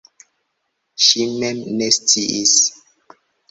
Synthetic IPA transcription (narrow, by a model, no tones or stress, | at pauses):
ʃimemnest͡siʔis